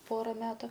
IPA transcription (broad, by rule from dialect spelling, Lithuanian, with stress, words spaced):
ˈpoːrɐ ˈmʲæːtʊ